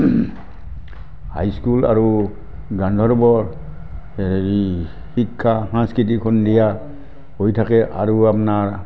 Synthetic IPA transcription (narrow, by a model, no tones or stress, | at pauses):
ha̰jskula̰ɹu | ɡand̪ʱɔɹbɔɹ | i | hikʰːaɦãskɹit̬ikʰɔndija | hojtʰakɛʔa̰ɹuapnaɹ